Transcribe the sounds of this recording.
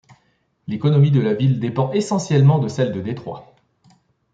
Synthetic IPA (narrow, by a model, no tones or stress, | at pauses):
lekɔnɔmid̪əlavild̪epɑ̃ʔesɑ̃sjɛlmɑ̃d̪əsɛld̪əd̪et̪χwa̰